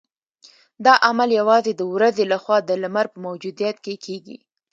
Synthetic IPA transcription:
d̪ɑʔamaljawɑzed̪əwɾazelaxwɑd̪əlamaɾpəmawd͡ʒud̪ijat̪̚kekʰeɡḭ

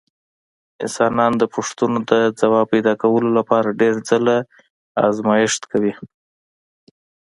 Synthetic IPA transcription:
ɪ̰nsɑnɑnd̪əpʊʂt̪unod̪əd͡zawɑpajd̪ɑkawəlolapɑɾaɖeɾd͡zəla | ɑzmɑjɪʃt̪kawi

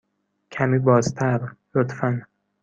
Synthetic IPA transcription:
cʰæmiːbɒːzt̪ʰæɾlot̪ʰfæn

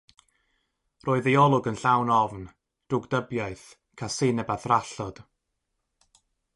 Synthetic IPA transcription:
roːɨðiɔlˠʊɡənɬawnɔvn | d̥ʊɡdəbjaɨθ | kʰasɪnɛbaθraɬɔd̥

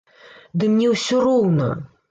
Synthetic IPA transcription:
d̪ɨmnʲɛwsʲɔrɔwnɐ̰

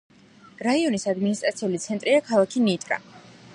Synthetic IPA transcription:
ɾaiɔnisad̪minist̪ʼɾat̪sʰiulit̪sʰɛnt̪ʼɾiakʰalˠakʰinit̪ʼɾa̰

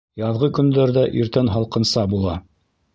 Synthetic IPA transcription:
jɑðʁɤkɵ̆nd̪æɾðæʔiɾt̪ænɦɑlˠqɤ̆nsɑbulˠɑ

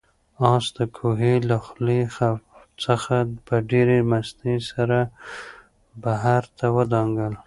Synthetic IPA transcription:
ɑsd̪əkʰoɦelaxlexa | t͡səxapəɖeɾemast̪esaɾa | baɦaɾt̪ʰawəd̪ɑŋɡəl

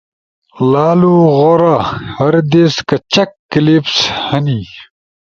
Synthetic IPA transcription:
laːluɣoɾaːhɐɾd̪eːskɐt͡ɕɐkːilipshɐniː

